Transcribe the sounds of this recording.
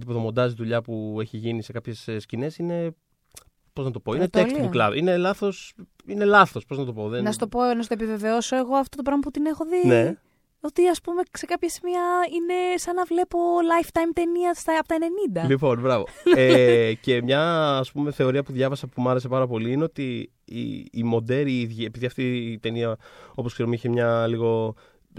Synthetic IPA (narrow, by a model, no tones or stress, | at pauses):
d̪ipoðomo̞nd̪ɐziðuʎɐpue̞çiʝinise̞kɐpçe̞sscine̞sine̞ | po̞znɐt̪o̞po̞inet̪elsuklɐ̰vine̞lɐθo̞s | ine̞lɐθo̞spo̞znɐt̪o̞po̞ðenɐst̪oponɐs̬t̪oepive̞ve̞oso̞eɣoɐft̪o̞t̪opɾɐɣmɐput̪ine̞xo̞ðine | o̞t̪iɐspume̞kse̞kɐpçɐsimiɐine̞sɐnɐvle̞po̞lɐjft̪ɐjmt̪e̞niɐst̪ɐɐpot̪ɐene̞nind̪ɐlipo̞nbɾɐvoece̞mɲɐːspumeθe̞o̞ɾiɐpuðʝɐvɐsɐpumɐɾe̞s̬e̞pɐɾɐpo̞liineot̪i | ḭːmo̞d̪e̞ɾiiðʝie̞piðiɐft̪it̪e̞niɐo̞poske̞ɾomiçemɲɐliɣo̞